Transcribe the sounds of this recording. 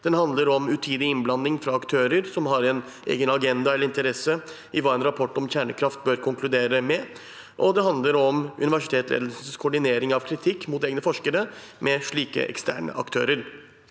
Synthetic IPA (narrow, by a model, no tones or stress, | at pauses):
d̪̥ɛnhɑnd̪ləɾɔmʉt̪ʰiːd̪ɪɪnblɑnːɪŋfɾɑːkt̪ʰøːɾəɾsɔmɦɑɾɛn | ʔḛːɡənɑɡɛnd̪ɑɛlːəɪnt̪əɾɛsə | ɪʋɑɛnɾɑpʰɔʈːɔmçæːɳəkʰɾɑft̪̚bøːɾkʰʊŋklʉd̪eːɾəmɛ | ʔɔd̪ɛɦɑnd̪ləɾɔmʉ̰nɪʋæʂɪ̥t̪ʰeːt̪lḛːd̪lsəsəskʰɔɖɪneːɾɪŋɑʋkʰɾɪt̪ʰɪkːmut̪eːɡnəfɔʂkəɾəmʔɛʂɭiːkə̰ʔɛ̰kst̪æ̰ːɳə̰ʔɑ̰kt̪ʰø̰ːɾəɾ